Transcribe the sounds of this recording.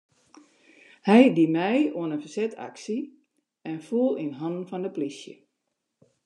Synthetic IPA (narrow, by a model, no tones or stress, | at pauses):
hɛjdimɛjoənənfərsɛtʰa̰ksi | ɛnfuəlˠinɦɔnn̩fɔndəplisjə̰